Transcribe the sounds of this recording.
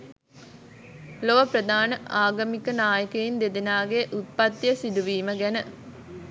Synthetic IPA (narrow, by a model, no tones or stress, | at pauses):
loʋɐpɾɐd̪ʱaːnəʔaːɡɐmikɐnaːjəkɐjind̪ed̪inaːɡeʔut̪̚pɐt̪jəsid̪uʋiːməɡænə